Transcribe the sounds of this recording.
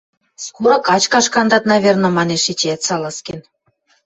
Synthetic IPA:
skuɾɤ̆kɑt͡ɕkɑʃkɑnd̪ɑt̪nɑβʲernɤ̆mɑneʃit͡ɕæt̪sɑlɑsken

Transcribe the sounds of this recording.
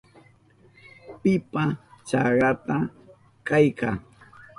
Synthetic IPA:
pɪpat͡ʃɑɾat̪a | kajka

